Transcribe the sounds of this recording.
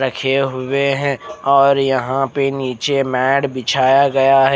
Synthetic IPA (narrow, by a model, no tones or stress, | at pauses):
ɾɐkʰeɦʊeɦɛ̃ɔːɾjɐɦãpeniːt͡ʃemɛːɖbɪt͡ʃʰaːjaɡɐjaɦɛ